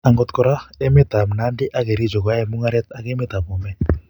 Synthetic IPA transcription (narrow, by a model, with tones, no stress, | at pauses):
a˨ŋɡɔ˨t̪kɔ˨ɾa˦ɛ˦mɛ˦t̪a˨m̩˨na˦ndi˦ʔa˦ke˨ɾi˦d͡ʒɔ˨kwa˦ɛ˨mu˦ŋa˦ɾɛ˦t̪a˨ke˦mɛ˦t̪a˨βu˨mɛ˦